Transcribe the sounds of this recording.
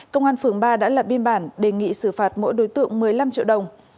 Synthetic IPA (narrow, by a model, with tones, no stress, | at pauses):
kə˧wŋ͡mʔaː˧nfɨ˧˩əŋɓaː˧ɗa̰ː˧˥lə˨˩p̚ɓi˧ənɓaː˧˩nɗe˨˩ŋḭ˧˨sɨ˧˩faː˨˩t̚mo̰˧˥jɗo˨˦jt̪ɨ̰˧˨əŋmɨ˨˩əjla˧mt͡ɕḭ˧əwɗə˨˩wŋ͡m